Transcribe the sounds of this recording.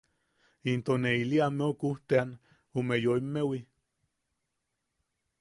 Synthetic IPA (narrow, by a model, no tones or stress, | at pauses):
int̪oneiliameokuht̪ean | omejoimːewi